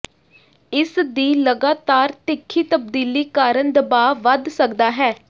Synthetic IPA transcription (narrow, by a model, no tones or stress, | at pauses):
ɪsd̪iːləɡaːt̪aːɾt̪ɪkʰːiːt̪əb̚d̪iːliːkaːɾənd̪əbaːʋəd̪səkd̪aːɦɛː